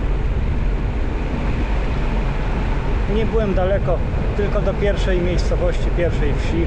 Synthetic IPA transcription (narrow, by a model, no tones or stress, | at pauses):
ɲɛbɘwɛmd̪alɛkɔ | t̪ɘlkɔd̪ɔpʲjɛɾfʂɛjmʲjejst̪sɔvɔɕt͡ɕipʲjɛɾfʂɛjfɕi